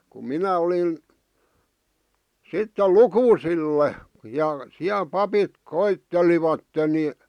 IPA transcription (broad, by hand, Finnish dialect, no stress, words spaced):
ku minæ olin̞ sitːe lukuːsilːe jɑ siæl pɑpit koitːeliʋɑtːen ni